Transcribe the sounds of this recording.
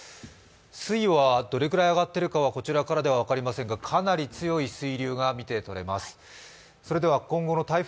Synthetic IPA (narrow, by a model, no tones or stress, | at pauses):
sɨiβad̪o̞ɾe̞kɯ̟ɾaiaɡat̪ːe̞ɾɯ̟kaβako̞t͡ɕiɾakaɾad̪e̞βaβ̞akaɾʲimasẽ̞ŋɡakʰanaɾʲit͡sɨjo̞isɨiɾʲɨːɡamʲit̪e̞t̪o̞ɾe̞̰masɨ̥ | so̞ɾe̞d̪e̞βakõ̞ŋɡo̞no̞t̪aiɸ